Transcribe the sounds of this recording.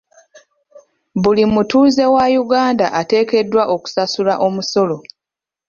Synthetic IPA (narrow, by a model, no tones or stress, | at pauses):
βulimutuːze̞wajuɡaːndaʔate̞ːke̞dːwaʔo̞ku̥sasulaʔo̞muso̞lo̞